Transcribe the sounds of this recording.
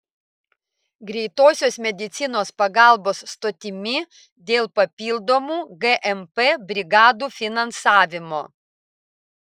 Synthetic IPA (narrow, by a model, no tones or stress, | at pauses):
ɡɾʲɛɪt̪oːsʲoːsmʲɛd̪ʲɪt̪sʲɪnoːspɐɡɑˑlˠboːsːt̪oːt̪ʲɪmʲɪ | d̪ʲeːlˠpɐpʲiːlˠd̪oːmuːɡɛʔɛmpɛbʲɾʲɪɡɑːd̪uːfʲɪnɐnsɑːʋʲɪmoː